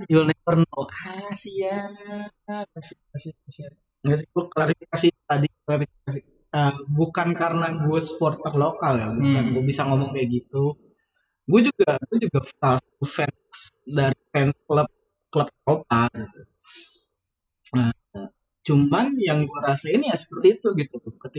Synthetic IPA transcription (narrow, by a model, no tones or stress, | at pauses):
d͡ʒulnapərnoasija | kasiikasiasia | ŋas̬iɡuaklaɾifikasit̪adiklaɾifikas̬i | əbukankaɾənaɡuɛsə̥pɔrt̪ərlokaljaɡuaɡuabisaŋomɔŋaɡit̪u | ɡuad͡ʒuɡaɡuad͡ʒuɡafastufɛn | sdaɾifɛnskləp̚ | kləp̚kop̚aɡit̪u | ə | t͡ʃumanjaŋɡuaɾasainjasə̥pərt̪iːt̪uɡit̪ut̪ʊkət̪i